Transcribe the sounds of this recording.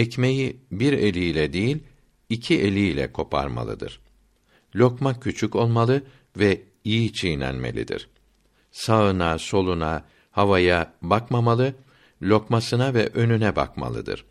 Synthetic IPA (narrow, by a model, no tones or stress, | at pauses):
ɛcme̞jibiɾe̞lʲiːlʲɛd̪ejilʲ | icʰiʔe̞lʲiːlʲɛ̰kʰo̞pʰa̰ɾma̰lˠɯ̰d̪ɯ̰ɾ̥ | lʲo̞kmacʰːyt͡ʃʰyko̞lˠmalˠɯ | vɛ | ijit͡ʃʰijnʲæ̰nme̞̰lʲḭd̪ḭɾ̥ | saɯnaso̞lˠuna | havajabakmamalˠɯ | lʲo̞kmasɯnavɛʔø̞nynɛba̰kma̰lˠɯ̰d̪ɯ̰ɾ̥